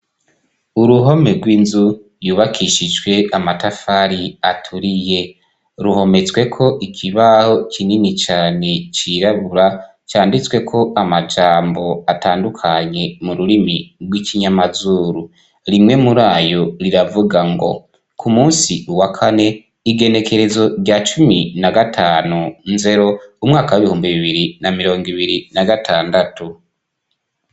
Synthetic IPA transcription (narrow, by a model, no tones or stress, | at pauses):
uɾuɦo̞me̞ɾɡwiːnzu | juːβakʰiʃid͡ʒɡwe̞amatafaɾiatʰuɾije̞ | ɾuho̞me̞t͡swe̞kʰo̞ʔikʰiβaho̞kʰininit͡ʃaːne̞t͡ʃiːɾaβuɾa | t͡ʃaːndit͡swe̞kʰo̞ʔamad͡ʒaːmbo̞ataːndukʰaɲe̞muɾuɾimiɾwiciɲamazuːɾu | ɾimŋe̞muɾaːjo̞ɾiɾavuɡaŋɡo̞̰ | kʰumuːnsiuwakʰane̞ | iɡe̞ne̞kʰe̞ɾe̞zo̞ɾɟat͡ʃuminaɡatʰaːnunze̞ɾo̞umŋaːkawiβihuːmbiβiβiɾinamiɾo̞ːŋɡiβiɾinaɡatʰaːndatu